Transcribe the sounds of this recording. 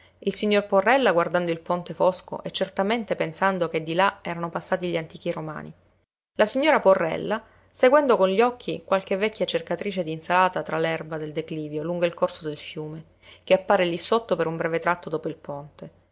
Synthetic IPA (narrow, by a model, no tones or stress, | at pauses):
ilsiɲːorporːɛlːaɡward̪and̪oilpont̪efosko̰ʔɛt͡ʃːert̪ament̪epensand̪oked̪ːilaɛːɾanopasːaːt̪iʎiant̪iːk̟iroma̰ːnḭ | lasiɲːoːɾaporːɛ̰lːa | seɡwɛnd̪okonʎɔkʰːikwʔalk̟evːɛkʰʲːjat͡ʃerkat̪ɾiːt͡ʃed̪insalaːt̪at̪ɾalɛrbad̪eld̪ekliːvjoluŋɡoilkorsod̪elfjuːme | k̟eapːaːɾelisot̪ːopeɾumbɾɛvet̪ɾat̪ːod̪oːpoilpont̪e